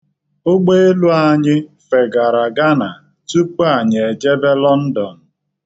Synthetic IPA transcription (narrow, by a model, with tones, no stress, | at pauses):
o˦ɡ͡be˦e˦lu˦a˨ɲɪ˦fe˨ɡa˨ɾa˨ɡa˦na˨ | tu˦k͡pu˦a˨ɲ˨e˨d͡ʒe˦be˦lɔ˦n̩˦dɔ˨n̩˨